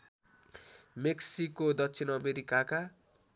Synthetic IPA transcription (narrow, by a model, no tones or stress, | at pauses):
meksikːod̪ʌsʰinʌmeɾikaka